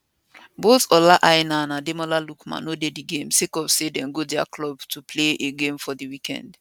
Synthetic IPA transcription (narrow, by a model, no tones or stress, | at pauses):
boθɔlaʔaɪnanademɔlalukmã̰nodediɡẽmsekɔvsedɛ̃nɡodɛa̰klɔbtʰupʰleʔeɡẽmfɔðiwikʰɛ̰̃nd